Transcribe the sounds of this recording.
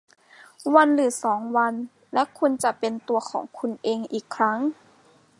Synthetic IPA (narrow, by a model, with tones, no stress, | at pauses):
wa˧nlɯː˩˦sɔː˩˦ŋwa˧n | lɛ˦˥ʔkʰu˧nt͡ɕa˨˩ʔpe˧nt̪u˧ɐkʰɔ̰ː˩˦ŋkʰu˧nʔeː˧ŋʔiː˨˩kʰːɾa˦˥ŋ